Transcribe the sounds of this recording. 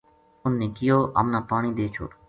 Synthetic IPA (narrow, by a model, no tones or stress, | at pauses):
ʊnːẽːkɪjoːʔa̰ːmnaːpaːɳ̃iːd̪eːt͡ʃʰo̰ː